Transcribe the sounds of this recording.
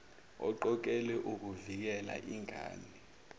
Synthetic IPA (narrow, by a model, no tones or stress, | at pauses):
ɔ̰ǃɔk̬ʼɛlɛʔuk̬uvik̬ɛla̰ʔiŋʱa̰ːni